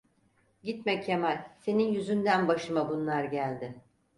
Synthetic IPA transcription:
ɟit̪mɛcʰemælʲse̞ninjyzynd̪ænbaʃɯmabunlˠaɾɟælʲd̪ɪ

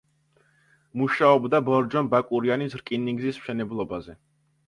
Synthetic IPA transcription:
muʃaɔbd̪abɔɾd͡ʒɔnbakʼuɾianisɾkʼiniŋɡzismʃɛnɛblˠɔbazɛ

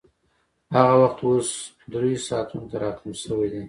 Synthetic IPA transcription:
haɣawaχt̪wos | d̪ɾesɑːt̪ʰunt̪ʰaɾɑt̪ʰumsəwejd̪i

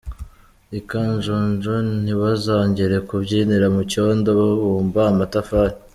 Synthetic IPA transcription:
ikaɲʒoːnʒon̥iβazaːɲɟeɾe̞kubɟiːniɾamucondoβaβuːmbaːmatafaːɾi

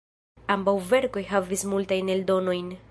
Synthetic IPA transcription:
ambawve̞ɾko̞jɦavismultajne̞ldo̞no̞jn

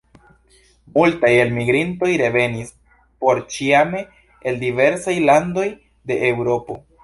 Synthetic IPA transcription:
multaje̞lmiɡɾinto̞jɾe̞ve̞nis | po̞ɾt͡ʃiameː | ldive̞ɾsajlando̞j | de̞ʔewɾo̞po̞̰

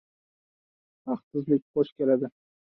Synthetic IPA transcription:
ɑχt̪ɪzlɪk̚ʲbɒʃkʲelad̪ɪ

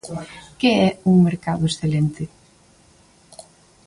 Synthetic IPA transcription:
kɪɛuŋmeɾkaðʊesθelent̪ɪ

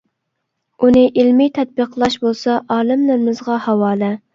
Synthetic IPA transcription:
unɪʔilmit̪ʰɛt̪̚bəqlˠɑʃbolˠsɑʔɑːlɨmlɪɾɪmɪzʁɑhɑwɑːlɛ

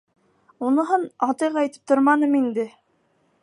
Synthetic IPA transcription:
unɤ̆ɦɤnɑt̪ɤjqɑɑjt̪ɘ̥p̚t̪oɾmɑnɤmind̪ɘ

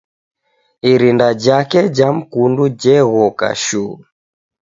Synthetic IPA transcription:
iɾindad͡ʒakɛd͡ʒam̩kundud͡ʒɛɣɔka̰ʃuː

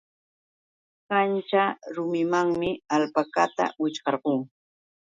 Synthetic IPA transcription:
kant͡ʃaɾʊmɪmaŋmɪalpakat̪a̰wɪt͡ʃqɑɾɢoŋ

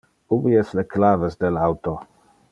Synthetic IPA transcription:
uviɛsleklavesd̪elawt̪o

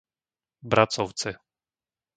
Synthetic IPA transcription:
bɾat̪sɔft̪sɘ

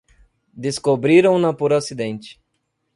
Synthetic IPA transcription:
d̪eskobɾiɾɐ̃w̃nɐpoɾasid̪ẽnt͡ʃɪ̥

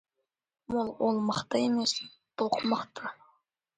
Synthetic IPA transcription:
molˠwolˠmɑχt̪ɑemes | b̥oqmɑqt̪ɑ

